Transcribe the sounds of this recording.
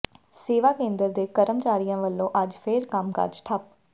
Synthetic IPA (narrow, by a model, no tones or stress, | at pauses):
seːʋaːkẽːnd̪əɾd̪eːkəɾəmt͡ʃaːɾijãːʋəlːõːʔəd͡ʒpʰeːɾkəmkə̰ɾd͡ʒʈʰəp̚